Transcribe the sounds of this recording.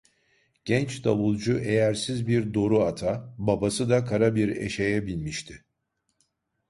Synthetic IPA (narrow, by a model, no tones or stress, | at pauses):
ɟ̥ɛnt͡ʃd̪aβulˠd͡ʒuʔejæɾsizbiɾd̪o̞ɾuat̪ʰababasɯd̪akʰaɾabiɾḛʃejɛbilʲmiʃt̪ʰɪ